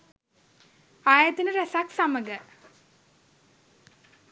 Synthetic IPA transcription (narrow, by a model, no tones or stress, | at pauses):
aːjat̪inəɾæsaksaməɡə